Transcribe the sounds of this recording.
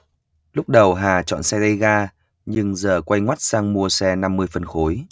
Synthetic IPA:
lʊ˦˥k͡p̚ɗə˨˩wɦaː˨˩t͡ɕɔ̰˧˨nsɛ˧ɣə˧jɣaː˧ | ɲɨ˧ŋzəː˨˩kwa˧jŋwa˦˥t̚saː˧ŋmu˧əsɛ˧na˧mːɨ˧əjfə˨˩nxo˨˦j

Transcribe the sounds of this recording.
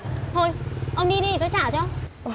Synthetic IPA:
t̪ʰo˧˩jʔə˧wŋ͡mɗi˧ɗi˧i˨˩t̪ɔ˨˦jt͡ɕaː˧˩t͡ɕɔ˧

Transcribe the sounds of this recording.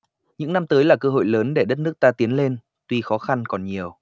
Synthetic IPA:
ɲɨ̰˧˥ŋna˧mt̪əː˨˦jlaː˨˩kəː˧ɦo̰˧˨jləː˨˦nɗe˧˩ɗə˦˥t̚nɨ˦˥ək̚t̪aː˧t̪i˨˦ənle˧n | t̪wi˧xɔ˨˦xa˧nkɔ˨˩nɲi˨˩əw

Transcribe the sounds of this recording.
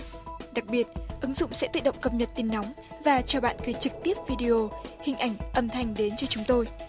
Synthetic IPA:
ɗa˨˩k̚ɓi˨˩ət̚ʔɨ˨˦ŋzʊ̰˧˨ŋ͡msɛ̰˧˥t̪ɨ̰˧˨ɗə̰˧˨ŋ͡mkə˧˩p̚ɲə˨˩t̚t̪i˨˦nːa˨˦wŋ͡m | vaː˨˩t͡ɕɔ˧ɓa̰ː˧˨nɣəː˨˩˦t͡ɕɨ˨˩k̚t̪i˦˥əp̚vi˧ɗi˧ʔo˧˩hï˨˩ŋ̟ʔa˧˩jŋ̟ʔə˧˩mt̪ʰa˨˩jŋ̟ɗe˨˦nt͡ɕɔ˧t͡ɕʊ˨˦ŋ͡mt̪o˧j

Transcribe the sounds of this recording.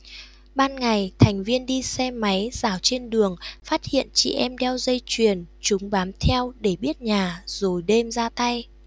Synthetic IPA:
ɓaː˧nŋa˨˩jt̪ʰɛ˨˩jŋ̟vi˧ənɗi˧sɛ˧ma˨˦jzaː˧˨˩wt͡ɕe˧nɗɨ˨˩əŋfaː˦˥t̚hḭ˧˨ənt͡ɕḭ˧˨ʔɛ˧mɗɛ˧wzə˧jt͡ɕwi˨˩ənt͡ɕʊ˨˦ŋ͡mɓaː˨˦mt̪ʰɛ˧wɗe˧˩ɓi˦˥ət̚ɲaː˨˩zo˨˩jɗe˧mzaː˧t̪a˧j

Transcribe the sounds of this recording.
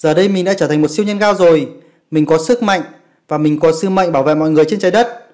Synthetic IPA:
z̥əː˨˩ɗə˧jmi˨˩ŋ̟ɗa̰ː˧˥t͡ɕəː˧˩t̪ʰŋ̟mo˨˩t̚si˧əwɲə˧nɣaː˧wzo˨˩j | mï˨˩ŋ̟kɔ˨˦sɨ˦˥k̚ma̰˧˨jŋ | vaː˨˩mï˨˩ŋ̟kɔ˨˦sɨ˧mə̰˧˨jŋɓaː˧˩wvḛ˧˨mɔ̰˧˨jŋɨ˨˩əjt͡ɕe˧nt͡ɕaː˨˦jɗə˦˥t̚

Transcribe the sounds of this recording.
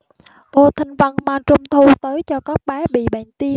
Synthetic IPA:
ɓo˧t̪ʰï˧ŋ̟və˧nmaː˨˩t͡ɕʊ˧ŋ͡mt̪ʰu˧t̪əː˨˦jt͡ɕɔ˧kɔ˦˥k̚ɓaː˨˦ɓḭ˧˨ɓa̰ː˧˨nt̪i˧ə

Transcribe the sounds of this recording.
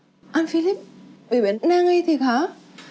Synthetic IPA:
ʔaː˧nfi˧li˦˥p̚ɓe˧˩ɓe˨˩˦nːaː˧ŋi˧jt̪ʰi˨˩xaː˨˦

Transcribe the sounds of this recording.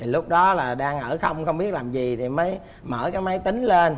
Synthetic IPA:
t̪ʰi˨˩lʊ˦˥k͡p̚ɗɔ˨˦laː˨˩ɗaː˧ŋʔəː˧˩xə˧wŋ͡mxə˧wŋ͡mɓi˦˥ət̚laː˨˩mzi˨˩t̪ʰi˨˩məː˨˦j | mə̰ː˧˩kaː˨˦jmə˨˦jt̪ï˨˦ŋ̟le˧n

